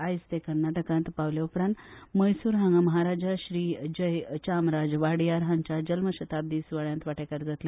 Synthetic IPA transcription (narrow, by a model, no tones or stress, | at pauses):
ajst̪ekəɾnaʈəkãnt̪paʋljaupɾãnt̪məjsuːɾɦãŋɡaməɦaɾad͡ʑaɕɾiːd͡ʑəjt͡ɕamɾad͡zʋaɽijaɾɦãɲt͡ɕad͡ʑəlməɕət̪ab̚d̪iːsʋaɭjãnt̪ʋaʈekəɾd͡zat̪le